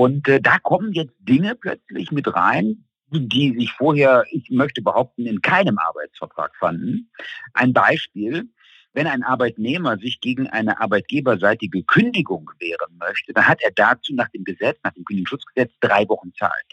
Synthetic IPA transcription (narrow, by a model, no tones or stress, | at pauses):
ʔʊntːdaːkʰɔmənjɛt͡st̚d̥ɪŋəpl̥œ̰t͡slɪ̰çmɪtʁa̰ɪn | diːzɪçfoːɐheːɐʔɪçmœçtəbəhaʊp̚tn̩ɪnkʰaɪnəmʔa̰ɐbaɪt͡sfɛɐtʁ̥a̰ːkfandn̩ʔa̰ɪnbaɪʃpiːl | vɛnaɪnʔaɐbaɪtneːmɐzɪçɡ̥eːɡŋ̩ʔa̰ɪnəʔaɐbaɪt̚ɡ̥eːbɐzaɪtɪɡəkʰʏndɪɡʊŋv̥eːʁənmœçtəd̥anhateːɐdat͡suːnaːχd̥eːmɡəzɛt͡snaːχd̥eːmkʏndɪɡŋ̩ʃʊt͡sɡ̥əzɛt͡sd̥ʁaɪvɔχn̩t͡sa̰ːɪlt